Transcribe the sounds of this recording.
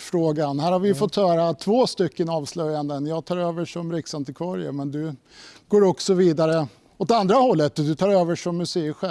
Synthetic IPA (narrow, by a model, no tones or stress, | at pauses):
fɾoːɡanhæːɾhaɾvɪjɵfɔt̪ːhœːɾat̪ʰvoːst̪ʏkːənɑːvslœjːand̪ənjɑːɡt̪ʰɑːɾøːvəʂɔmɾɪksant̪ɪkʰvɑːɾɪə̰mɛnd̪ɵ | ɡoːɾɔksɔviːd̪aɾə | ɔt̪and̪ɾahɔlːət̪ːd̪ɵt̪ʰɑːɾøːvəʂɔmːɵseːɧɛ